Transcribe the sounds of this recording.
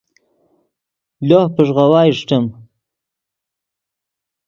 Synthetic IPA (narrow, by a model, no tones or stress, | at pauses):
lohpəʐʁawɑːʂʈəm